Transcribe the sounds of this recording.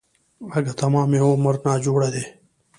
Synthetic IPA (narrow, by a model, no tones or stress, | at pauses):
ɐɡat̪ɐmãːmẽːoːməɾnaːd͡ʒoːɽed̪eː